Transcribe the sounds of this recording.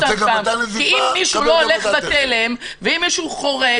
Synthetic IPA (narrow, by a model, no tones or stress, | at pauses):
aamkiimːiʃulooleχbat̪elem | veimːiʃuχo̞ʁe